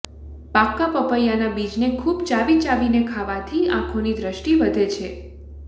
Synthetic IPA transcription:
pakːapəpəjanabid͡ʒnekʰubt͡ʃaʋit͡ʃaʋinekʰaʋat̪ʰiã̰kʰonid̪ɾəʃʈiʋəd̪ʱet͡ʃʰe

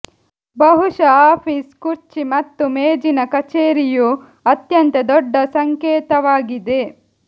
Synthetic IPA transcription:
bɐɦuʂɐaːpʰiskuɾt͡ʃimɐt̪ːumeːd͡ʒinɐkɐt͡ʃeːɾiju | ɐt̪jɐnt̪ɐd̪ɔɖːɐsɐŋkeːt̪ɐʋaːɡid̪e̞

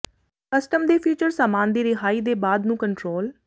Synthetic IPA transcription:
kəsʈəmd̪eːpʰiːt͡ʃəɾsaːmaːnd̪eːɾɪɦaːiːd̪eːbaːd̪nũːkəɳʈɾoːl

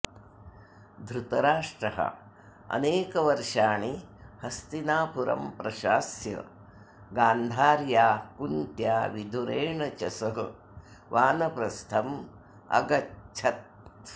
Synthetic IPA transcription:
d̪ʱɾut̪ɐɾaːʂʈɾɐɦɐ̰ | ɐ̰neːkɐʋɐɾʂaːɳihɐst̪inaːpuɾɐ̰mpɾɐʃaːsjɐ̰ | ɡaːnd̪ʱaːɾjaːkunt̪jaːʋid̪ʱuɾeːɳɐt͡ʃɐsɐɦɐ | ʋaːnɐpɾɐst̪ʰɐm | ɐ̰ɡɐtt͡ʃʰɐt̪̚

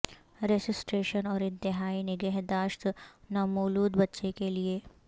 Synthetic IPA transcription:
ɾed͡ʒɪsʈɾeːʃənɔːɾɪ̃nt̪ɪɦaːinɪɡɛːɦd̪aːʃt̪nɐːmoːluːd̪bɐtːʃekelieː

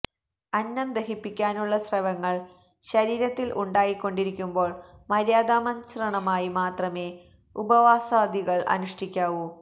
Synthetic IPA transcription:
ɐnːɐnd̪ɐɦipːikʲːaːnuɭːɐsrɐʋɐŋːɐɭ | ɕɐɾiːɾɐt̪ːilʔuɳɖaːjikːo̞ɳɖiɾikʲːumbo̞ːɭmɐɾjaːd̪aːmɐnsɐrɐɳɐmaːjimaːt̪rɐme̞ː | ubɐʋaːsaːd̪iɣɐɭɐ̰nuʂʈʰikʲːaːʋu

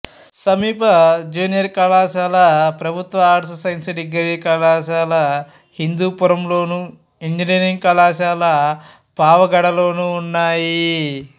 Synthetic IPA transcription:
sɐmiːpɐd͡ʒuːnijɐɾkɐlaːʃaːlɐpɾɐbʱut̪ʋɐaːʈsɐsɐjnsiɖiɡɐɾikɐlaːʃaːlɐ | hind̪uːpuɾɐmloːnu | iɲd͡ʒiniːɾiŋɡ̚kɐlaːʃaːlɐ | paːʋɐɡɐɽɐlo̞ːnuːnːaːji

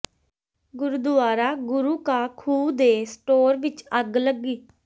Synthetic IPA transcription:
ɡʊɾud̪ʊaːɾaːɡʊɾuːkaːkʰuːd̪eːsʈoːɾʋɪt͡ʃəɡləɡːiː

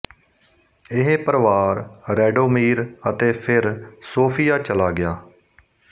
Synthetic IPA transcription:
ɪɦepəɾʋaːɾɾɛːɖoːmiːɾət̪eːpʰɪɾsoːpʰɪjaːt͡ʃəlaːɡɪjaː

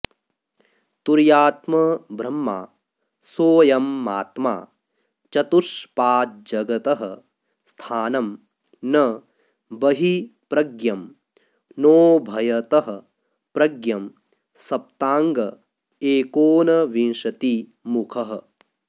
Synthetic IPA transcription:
t̪uɾjaːt̪mɐbʱɾɐmːa̰ː | soːjɐmːaːt̪ma̰ː | t͡ʃɐt̪uʂpaːt̪̚d͡ʒɐɡɐt̪ɐɦɐ̰̆ | st̪ʰaːnɐm | nɐ | bɐɦipɾɐɡjɐm | noːbʱɐjɐt̪ɐɦɐ̆ | pɾɐɡjɐm | sɐp̚t̪aːŋɡɐ | eːkoːnɐʋinʂɐt̪imukʰɐɦɐ̆

